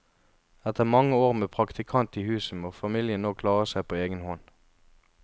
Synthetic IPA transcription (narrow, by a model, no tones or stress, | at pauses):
ɛt̪ʰəʁmɑŋəoːʁmeːpʰʁɑkt̪ʰɪkʰɑnt̪iːhʉːsəmoːfɑmiːljənoːkʰlɑːʁəsæɪpʰoːeːɡənhɔn